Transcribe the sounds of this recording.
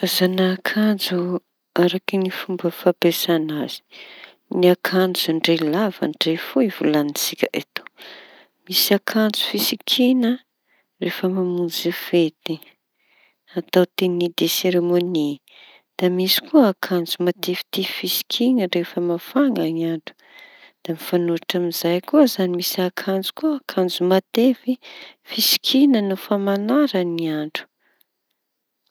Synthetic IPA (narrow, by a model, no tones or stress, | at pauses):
azanakʰand͡zu | aɾakinifumbəfapesanaz̥i̥ | niakʰand͡zuɳɖ͡ʐelava̰ɳɖ͡ʐefoivulanisikʲəʔet̪o̥ | misakʰand͡zu̥fisikʰinə | refəmamund͡zifet̪i | at̪awt̪enid̪eseɾemoni | d̪̥amisi̥kuəakʰand͡zumat̪evi̥t̪ifisi̥kʰinərefəmafaŋɡaniaɳɖ͡ʐu̥ | d̪̥amifanuaʈ͡ʂamizajkuəzanimisakʰand͡zu̥kuakʰand͡zumat̪evifisi̥kʰinənufamanaɾaniaɳɖ͡ʐu̥